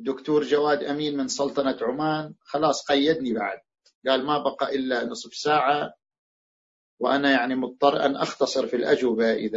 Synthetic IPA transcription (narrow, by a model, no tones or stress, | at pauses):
d̪ːʊkt̪uːɾd͡ʒawaːd̪ʔamiːnmɪnsˤɑlt̪ˤɑnat̪ʕʊmaːnxɑlɑːsˤqɑjːad̪nibaʕa̰d̪̚ | ɡaːlmabɑqɑʔɪlːanɨsˤfsaːʕa | wʔanajaʕnimʊt̪̚ˤːɑrˤːʔa̰nʔɑ̰xt̪ɑsˤɨɾfilʔa̰d͡ʒwɪbaʔɪ̰ða